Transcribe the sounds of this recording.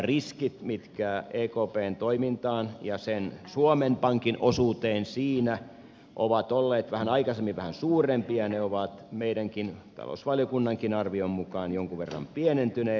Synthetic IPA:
riskit̪mit̪kæːeːkoːpeːnt̪oimint̪ɑːnjɑsensuomempɑŋkinʔosuːt̪eːnsiːnæ | ʔoʋɑt̪olːeːt̪ʋæhænɑikɑsemːiʋʋæhænsuːrempiɑneoʋɑt̪meiɾæŋkint̪ɑ̰lo̰sʋɑljokunːɑŋkinɑrʋiommukɑːnjoŋkuʋerːɑ̰mpienent̪yneː

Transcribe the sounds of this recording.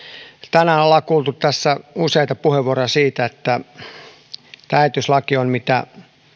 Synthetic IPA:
t̪ænæolːɑkuːlt̪utt̪æsːæuseit̪ɑpuheʋʋuoroɑsiːt̪æet̪ːæ | t̪æyt̪yslɑkionmit̪æ̰

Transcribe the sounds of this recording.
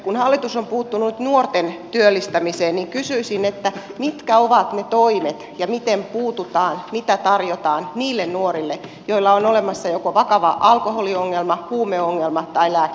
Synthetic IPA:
kunhɑlːit̪usompuːt̪ːununyt̪nuort̪ent̪yølːist̪æmiseːnniŋkysyisinet̪ːæmit̪kæoʋɑt̪net̪oimet̪jɑmit̪empuːt̪ut̪ɑːnmit̪æt̪ɑrjot̪ɑːnniːlːennuoɾilːe | joilːɑonolemɑsːɑjokoʋɑkɑʋɑʔɑlkoholioŋːelmɑhuːmeoŋːelmɑt̪ɑilæː

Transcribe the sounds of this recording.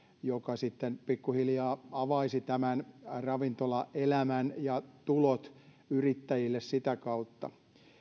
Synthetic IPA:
jokɑsit̪ːenpikːuhiljɑːɑʋɑisit̪æmænrɑʋint̪olɑʔelæmænjɑt̪ulot̪ | yrit̪ːæjilːessit̪ækɑut̪ːɑ̰

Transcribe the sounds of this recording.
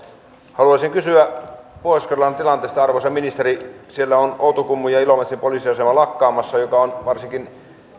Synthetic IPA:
hɑluɑsiŋkysyæpoˑiskerlːɑnt̪ilɑnt̪eːst̪ɑɑrʋosɑminist̪eɾisielːæonout̪okumːujɑilomet̪simpolisiɑsemɑlɑkːɑːmɑsːɑjokɑonʋɑrsiŋkin

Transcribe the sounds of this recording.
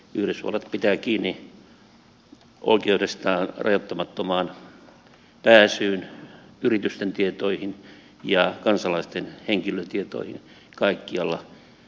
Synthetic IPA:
yhɾesʋṵlet̪pit̪æːkiːnːi | ʔo̰ikeudest̪ɑːnrɑ̰jot̪ːɑmɑt̪ːomɑːn | pæːsyːnyrit̪yst̪ent̪iet̪oihin | jɑkɑnsɑlɑist̪enheŋkiløt̪iet̪o̰ihḭn | kɑikːiɑlːɑ

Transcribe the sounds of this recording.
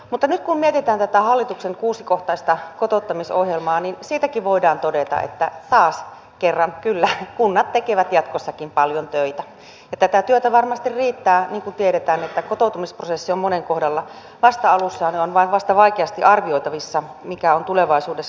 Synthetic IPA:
mut̪ːɑnyt̪̚kummiet̪it̪æːnt̪æt̪æhɑlːit̪ukseŋkuːsikoht̪ɑist̪ɑkot̪ot̪ːɑmisohjelmɑːninsiːt̪ækiʋoidɑːnt̪odet̪ɑ̰ʔḛt̪ːæt̪ɑːs | kerːɑnkylːækunːɑt̪t̪ekeʋæt̪jɑt̪kosːɑkimpɑljont̪øit̪æ | jɑt̪æt̪æt̪yøt̪æʋɑrmɑst̪irriːt̪ːæːniːŋkunt̪ieɾet̪æːnet̪ːækot̪out̪umisprosesːiommoneŋkohdɑlːɑ | ʋɑst̪ɑɑlusːɑːneonʋɑiʋʋɑst̪ɑʋɑikeɑst̪iʔɑrʋioit̪ɑʋisːɑ | mikæont̪uleʋɑisuːdes

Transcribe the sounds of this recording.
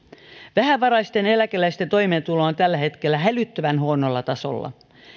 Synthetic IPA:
ʋæhæʋɑɾɑist̪ene̞lækelæjst̪ent̪o̞imeːnt̪uloːnt̪ælːæhe̞t̪kelːæɦælyt̪ːøʋænhuonolːɑt̪ɑso̰lːɑ̰

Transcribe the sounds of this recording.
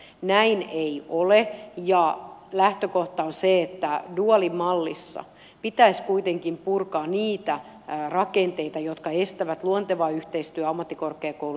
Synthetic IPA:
næineiʔolejɑlæht̪økoht̪ɑonseet̪ːæduɑlimɑlːisːɑ̰ | pit̪æiskuit̪eŋkimpurkɑːnniːt̪æ | rɑkent̪eit̪ɑjot̪kɑest̪æʋæt̪luont̪eʋɑːyht̪eist̪yæɑmːɑt̪ːikorkeːkoulu

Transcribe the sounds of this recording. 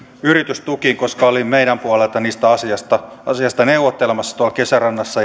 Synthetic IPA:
yrit̪yst̪ukiŋkoskɑolimmeiɾæmpuɑlelt̪ɑniːst̪æɑsiɑst̪ɑɑsiɑst̪ɑneuʋːˑot̪ːelĕmɑsːɑ̥t̪uɑlkesærɑnːɑsːɑ

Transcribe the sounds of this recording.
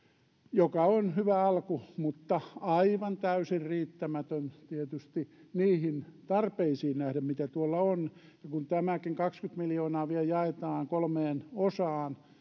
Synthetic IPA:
jokɑonhyʋæɑlkumut̪ːɑɑiʋɑnt̪æysirriːt̪ːæmæt̪ønt̪iet̪yst̪i | niːhint̪ɑrpeisiːnnæhɾæmmit̪æt̪uolːɑon | jɑkunt̪æmækiŋkɑkskyt̪miljoːnɑːʋieljɑet̪ɑːŋkolmeːnosɑːn

